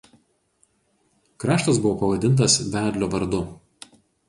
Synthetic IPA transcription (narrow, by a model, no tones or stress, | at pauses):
kɾɑːʃt̪ɐs̬bʊʋoːpɐʋɐd̪ʲɪnt̪̬ɐsʋʲæːd̪ʲlʲoːʋɐɾd̪ʊ